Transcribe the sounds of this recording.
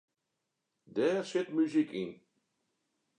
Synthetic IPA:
dɛːrsɪtmyzikɪn

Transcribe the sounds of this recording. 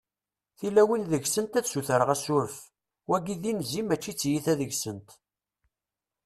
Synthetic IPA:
θilæwinðəʝsənt̪æðsuθəɾəʁæsʊɾəf | wæɡiðinzimæt͡ʃːit͡sːjiθæðəʝsənt̪

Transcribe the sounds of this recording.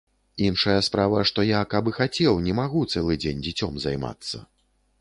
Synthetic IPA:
inʂɐjɐspɾavɐʂt̪ɔjakabɨxat͡sʲɛwnʲɛmaɣut̪sɛlˠɨd͡zʲenʲd͡zʲit͡sʲɔmzajma̰t̪sːɐ̰

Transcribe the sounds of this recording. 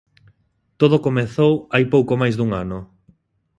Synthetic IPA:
t̪oð̞okomeθowajpowkomajzðuŋanʊ

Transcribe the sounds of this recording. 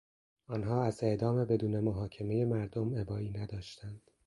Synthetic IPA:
ɒːnɦɒːæze̞ʔd̪ɒːmebe̞d̪uːne̞moɦɒːcʰe̞me̞je̞mæɾd̪ome̞bɒːiːnæd̪ɒːʃt̪ʰænd̪̥

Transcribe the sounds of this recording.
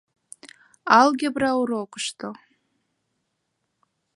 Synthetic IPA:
alɡʲabrawɾokʷʼʂtʰo

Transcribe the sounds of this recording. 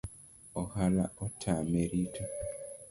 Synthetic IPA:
ohalaotʰameɾitʰo

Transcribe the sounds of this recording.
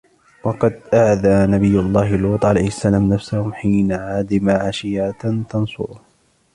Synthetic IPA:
wɑqɑd̪ʔaʕðaːnabɪjːʊlˤːɑːhlwuːt̪ˤʕala̰jhɪsːalaːmnafsahʊmħiːnaʕaːd̪ɪmaʕaʃɪjat̪ɑnsˤʊ̰ɾʊh

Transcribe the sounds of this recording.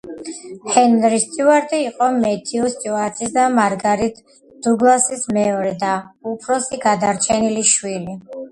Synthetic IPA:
hɛnɾist̪ʼjuaɾt̪ʼiːqʼɔmɛt̪ʰiust̪ʼjuaɾt̪ʰʼisd̪amaɾɡaɾit̪ʰ | d̪̥uɡlˠasismɛɔɾɛd̪aupʰɾɔsiɡad̪aɾt͡ʃʰɛniliʃwili

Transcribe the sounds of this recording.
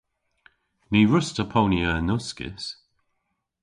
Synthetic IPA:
niːɹʊstəpʰownjənʊskɪ̰s

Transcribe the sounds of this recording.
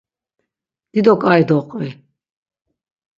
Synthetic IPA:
d̪̥id̪ɔkʼajd̪ɔqʼvi

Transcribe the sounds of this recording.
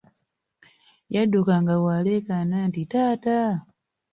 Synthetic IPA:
jadukaŋɡawale̞ːkanantitaːta

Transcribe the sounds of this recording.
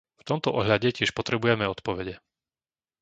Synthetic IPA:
ft̪ɔmt̪ɔʔɔɦʎaɟɛcɪɛʃpɔt̪ɾɛbujɛmɛɔt̪pɔʋɛɟɛ

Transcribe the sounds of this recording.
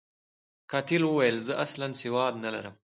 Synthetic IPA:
kɑt̪ilwəwajəlzəʔaslansɪwɑːd̪nala̰ɾəm

